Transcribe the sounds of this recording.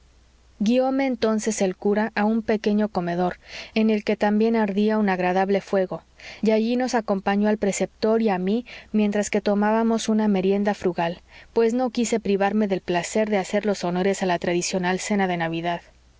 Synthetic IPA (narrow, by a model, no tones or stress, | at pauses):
ɡio̞me̞ːnt̪o̞nse̞se̞lkuɾaʔaumpe̞ke̞ɲo̞ko̞me̞ðo̞ɾe̞ne̞lke̞t̪ambje̞naɾðiaunaɣɾaðaβle̞fwe̞ɣo̞ | aʝino̞sako̞mpaɲo̞alpɾe̞se̞p̚t̪o̞ɾiamimje̞nt̪ɾaske̞t̪o̞maβamo̞suname̞ɾje̞nd̪afɾuɣalpwe̞zno̞kise̞pɾiβaɾme̞ðe̞lplase̞ɾðe̞ase̞ɾlo̞so̞no̞ɾe̞salat̪ɾaðisjo̞nalse̞naðe̞naβiðað